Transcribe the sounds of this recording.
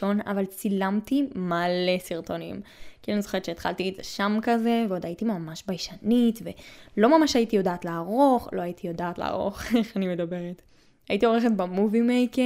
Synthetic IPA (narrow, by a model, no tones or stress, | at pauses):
o̞na̰valt͡silamt̪imale̞siʁto̞nḭmkianizoχe̞ett͡ʃʃeːt̪χa̰lt̪izeʃamkazeveo̞d̪aitimamaʃbajʃanitvelo̞mamaʃaitijo̞daːtleaʁo̞χlo̞ait̪ijo̞daːtlḛa̰ʁo̰χe̞χanime̞d̪abe̞ʁet | ajitio̞ʁeχet̚bamuvimejke